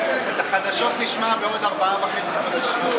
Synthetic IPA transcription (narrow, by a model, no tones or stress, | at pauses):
et̪aχad̪aʃo̞t̪niʃmabeo̞d̪aʁbaavaχet͡siχad̪aʃim